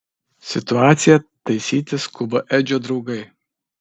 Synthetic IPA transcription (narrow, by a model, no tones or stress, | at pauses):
sʲɪt̪ʊɑːt̪sʲɪjɛt̪ɐɪsʲiːt̪ʲɪskʊbɐʔɛːd͡ʒʲoːd̪ɾɒʊɡɐɪ